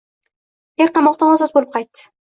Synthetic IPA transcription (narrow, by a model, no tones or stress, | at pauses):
eɾqɑmɒq̚t̪aasɒsbolɪp̚qʰɑjt̪ːɪ̥